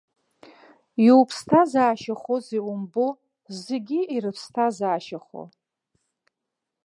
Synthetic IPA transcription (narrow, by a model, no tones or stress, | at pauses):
jwpʰstʰazaːʃaχoziwʊmbo | zeɡʲiirɨpʰstʰazaːʃaχo̰